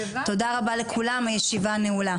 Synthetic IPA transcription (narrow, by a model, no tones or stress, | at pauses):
t̪o̞d̪aʁabalekʰulamhajeʃivaneula